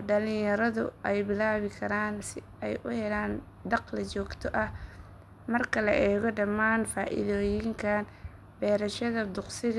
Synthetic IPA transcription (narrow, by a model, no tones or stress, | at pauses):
ɖɐlɪjɐɾɐðʊ̰ʔɛjbɪlaːβɪkʰɐɾaːnsɪ | ɛjʔʊhɛlaːn | d̪ɑqlɐt͡ʃɔːɡt̪ʰɔʔɐh | mɐrkʰɐlɐʔɛːɣɔɖɐmaːnfaːʔɪ̰ðoːjɪŋkʰɐn | bɛːɾɐʃɐðɐd̪ʊqsɪɣ